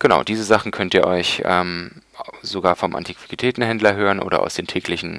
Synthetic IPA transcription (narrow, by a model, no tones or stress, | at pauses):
ɡ̥əna̰ʊd̥iːzəzaχn̩kʰœntiːɐʔɔʏçʔɛːm | zoɡaːɐfɔmʔa̰ntʰikv̥ikitʰɛːtn̩ɦɛndlɐɦøːʁənʔo̰ːɾɐʔa̰ʊsd̥eːntʰɛːklɪçn̩